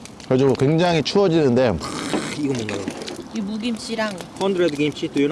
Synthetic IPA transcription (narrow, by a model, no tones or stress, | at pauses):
kʌd͡ʑiɡokwe̞ŋd͡ʑaŋit͡ɕʰuʌd͡ʑinɯnde̞iɡʌmoŋɡajoimuɡimɕ͈iɾaŋkʰʌndɾed̪ɯɡeimɕ͈itɯjun